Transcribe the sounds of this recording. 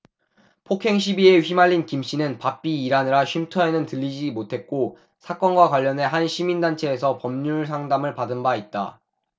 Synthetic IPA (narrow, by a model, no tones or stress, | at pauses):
pʰokʰe̞ŋɕʰibie̞ɸimaʎːinkimɕ͈inɯnpap̚p͈iːɾanɯɾaɕʰɥimtʰʌe̞nɯntɯʎːid͡ʑimotʰe̞t̚k͈o | sʰak͈ʌnɡwakwaʎːʌnɦe̞ɦanɕʰimindant͡ɕʰe̞ːsʰʌpʌmɲuɭsʰaŋdamɯɭpadɯnbait̚t͈a̰